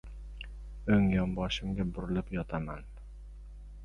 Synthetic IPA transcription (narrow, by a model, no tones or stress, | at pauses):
ɵŋjɒmbɒʃɪmɡʲabʊɾɪlɪpjɒt̪ʰaman